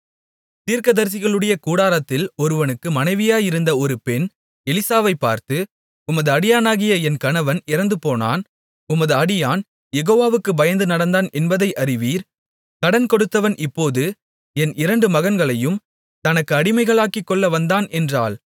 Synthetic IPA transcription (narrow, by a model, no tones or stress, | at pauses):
t̪iːɾkɐðɐɾs̬ɪɣɐɭɯɽɐjɐkuːɽaːɾɐt̪ːɪlɔɾɯʋɐnɯkːɯmɐnɐɪʋɪjaːjɪɾɯnd̪ɐɔɾɯpɛn | ɛlɪsaːʋɐɪpːa̰ːɾt̪ɯ | ʊmɐðɯɐɽɪjaːnaːɣɪjɐɛnkɐnɐʋɐnɪɾɐnd̪ɯpoːna̰ːn | ʊmɐðɯɐɽɪjaːn | jɛɣoːʋaːʋɯkːɯbɐjɐnd̪ɯnɐɽɐnd̪aːnɛnbɐðɐɪʔɐɾɪʋiːɾ | kɐɽɐnkɔɽɯt̪ːɐʋɐnʔɪpːoːðɯ | ɛnʔɪɾɐɳɖɯmɐɣɐnɡɐɭɐjɯm | t̪ɐnɐkːɯɐɽɪmɐɪɣɐɭaːkikːɔɭːɐʋɐnd̪aːnɛndraːɭ